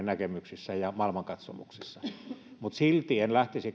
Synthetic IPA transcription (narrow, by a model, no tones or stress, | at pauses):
nækemyksisːæjɑmɑˑelmɑŋkɑt̪so̰mṵksisːɑmut̪silt̪ienlæht̪isik